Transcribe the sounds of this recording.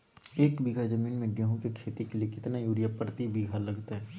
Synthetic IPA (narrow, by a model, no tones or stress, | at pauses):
eːkbiɡʱad͡ʒɐmiːnmẽɡɛːɦõkekʰeːt̪ikeliekɪt̪najuːɾɪjapəɾt̪ibiːɡʱalɐɡt̪ɦɛː